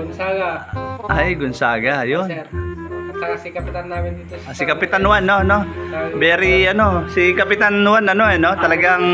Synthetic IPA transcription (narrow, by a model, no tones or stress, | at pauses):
aɡaʔajɡʊnsaːɡajon | kɐpɪt̪anaːmɪnd̪it̪asɪkɐpɪt̪anwanːono̞bɛɾiʔɐno̞sɪkɐpɪt̪anwanɐno̞ɛnot̪ɐlɐɡaŋ